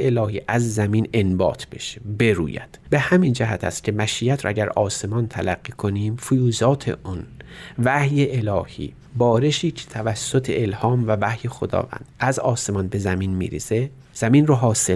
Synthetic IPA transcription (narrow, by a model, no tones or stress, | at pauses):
elɒːhiːʔæzːæmine̞nbɒ̰ːt̪ʰb̥e̞̰ʃebe̞ɾṵːjæ̰d̪̥be̞hæmind͡ʒæɦæt̪ʰæ̰st̪̚cʲʰemæʃijæt̪ʰɾ̰æɟæɾɒːse̞mɒnt̪ʰælæɢːiːkʰoniːmfojuːzɒːt̪ʰḛʔunvæhjeʔelɒːhḭː | bɒːɾeʃiːcʰe̥t̪ʰævæsːot̪ʰe̞̰elhɒːmvævæhjexod̪ɒ̰ːvæ̰nd̪̥æzɒːse̞mɒnbe̞zæmiːnmḭːɾḛse | z̥æminroɦɒːse